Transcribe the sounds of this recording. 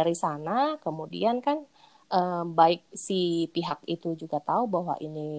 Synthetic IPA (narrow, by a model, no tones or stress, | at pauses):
aɾisanakəmudḭankan | ʔəbaɪk̚sipiɦakit̪ud͡ʒuɡat̪aubaɦwa̰ʔini